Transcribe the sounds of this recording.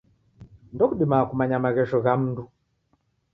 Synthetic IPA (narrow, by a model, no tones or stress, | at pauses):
ndɔkuɗimakumaɲamaɣɛʃɔɣam̩ndu